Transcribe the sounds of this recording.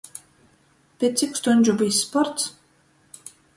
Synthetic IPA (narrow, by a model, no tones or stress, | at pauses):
pʲet̪sʲikst̪unʲd͡ʒubisːpɔɾt̪s